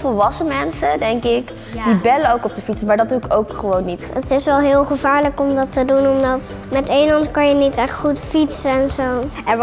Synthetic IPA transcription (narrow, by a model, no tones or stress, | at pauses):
fəlʋɑsəmɛnsədɛŋkɪk | dibɛləowkɔpdəfitsəmaːɹdɑduɪkowkχəʋownːitətɪsʋɛlˠɦɪːlˠχəvaːɹləkɔmdɑtədunɔmdɑtmɛtejlɑntkɑnjənitɛχtχutfitsəɛnzow | ɛn